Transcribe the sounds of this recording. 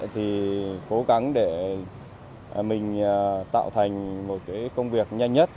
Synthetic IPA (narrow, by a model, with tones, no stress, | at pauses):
t̪ʰi˨˩ko˨˦ɣa˨˦ŋɗe˧˩ | mï˨˩ŋ̟ː˨˩t̪a̰ː˧˨wt̪ʰa˨˩jŋ̟mo˨˩t̚kaː˨˦jkə˧wŋ͡mvi˨˩ək̚ɲa˧jŋ̟ɲə˦˥t̚